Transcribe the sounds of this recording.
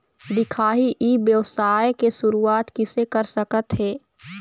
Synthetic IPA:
d̪ɪkʰaːɦiʔibjəwsaːjkeʃʊɾuaːt̪kɪsekəɾsəkət̪ɦɛː

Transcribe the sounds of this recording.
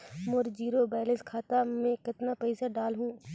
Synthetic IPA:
moɾd͡ʒiːɾobaːləskʰaːt̪amẽkɪt̪napɐɪsaɖaːlɦũː

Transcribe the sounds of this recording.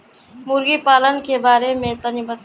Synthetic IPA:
mʊɾɡipaːlənkebaːɾemẽt̪ɐnɪbət̪

